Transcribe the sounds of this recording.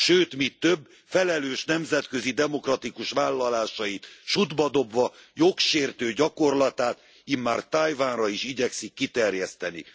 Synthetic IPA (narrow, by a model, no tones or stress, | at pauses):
ʃøːt̪mit̪ːø̞bː | fɛlɛløːʃnɛmzɛt̪køzid̪ɛmo̞krɒt̪ikuʃʋaːlːɒlaːʃɒjit̪ʃud̪bɒd̪o̞bvɒjokʃeːrt̪øːɟɒko̞rlɒt̪aːt̪ | imːaːrt̪ajvaːnrɒiʃiɟɛksikːit̪ɛrjɛst̪ɛnḭ